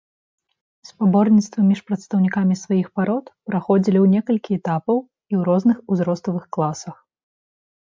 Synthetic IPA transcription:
spabɔrnʲit̪st̪vɐmʲiʂpɾɐt̪st̪ɐwnʲikamʲisvajixpaɾɔt̪pɾaxɔd͡zʲilʲiwnʲɛkɐlʲkʲiɛt̪apɐw | iwɾɔznɨxuzɾɔst̪ɐvɨxklˠasɐx

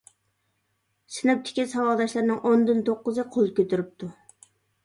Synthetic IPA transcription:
sɪnɪp̚t̪ʰɪ̥kʲisɑwɑd̪ɑʃlˠɨɾnɨŋʔond̪ynt̪ʰoqːʊzɨqʰolˠkʲøt̪yɾyp̚t̪ʰu

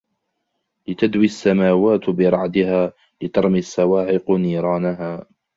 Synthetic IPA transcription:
lɪt̪ad̪wiːasːamaːwaːt̪bɪɾˤɑʕd̪ɪhaː | lɪt̪ɑɾˤmɪasːawaːʕɪqniːɾˤɑːnaɦaː

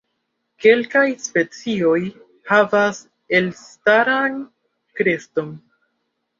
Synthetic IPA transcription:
ke̞lkajspe̞t͡sio̞j | havas | elstaɾan | kɾe̞sto̞n

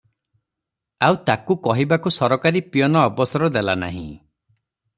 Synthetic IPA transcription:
awt̪akukɔɦibakusɔɾɔkaɾipijɔnɔːbɔsɔɾɔd̪elana̰ɦḭ̃

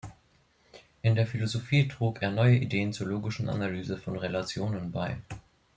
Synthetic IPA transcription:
ʔɪndeːɐfilozofiːtʁ̥uːkeːɐnɔʏəʔideːənt͡suːɐloːɡɪʃn̩ʔa̰nalyːzəfɔnʁelat͡sjoːnənbaɪ

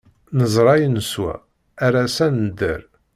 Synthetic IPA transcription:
nəzˤɾˤɑjənəswæ̰ː | ɾæsænd̪ə̰ɾ

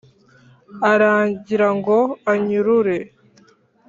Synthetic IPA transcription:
aɾaːɲɟiɾaŋɡo̞aɲuɾuɾe̞

